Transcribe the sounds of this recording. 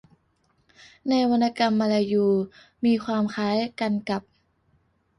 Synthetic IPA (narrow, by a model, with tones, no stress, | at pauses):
na˧jwa˧nːa˧ka˧mːa˧la˧juː˨˧˩ | miː˧kʰwaː˧mkʰaː˦˥jka˧nka˨˩p̚